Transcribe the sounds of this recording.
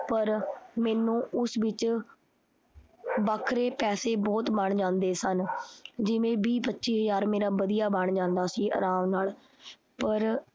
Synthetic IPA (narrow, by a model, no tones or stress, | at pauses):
pəɾmɛːnũːʊsʋɪt͡ʃ | baːkʰɾeːpɛːseːbɔːt̪bəɳd͡ʒãːnd̪eːsənd͡ʒɪʋẽːbiːpətːʃiːɦəzaːɾmeːɾaːbəd̪ijaːbəɳd͡ʒãːnd̪aːsiːʔə̰ɾãːʋnaːl | pəɾ